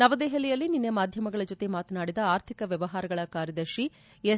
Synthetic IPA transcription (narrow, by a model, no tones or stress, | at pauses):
nɐʋɐd̪eːɦɐlɛjɐlːininːjɐmaːd̪ʱjɐmɐɡɐɭɐd͡ʒot̪emaːt̪ɐnaːɽid̪ɐaːɾt̪ʰikɐʋjɛʋɐɦaːɾɐɡɐɭɐkaːɾjɐd̪ɐɾʃi | e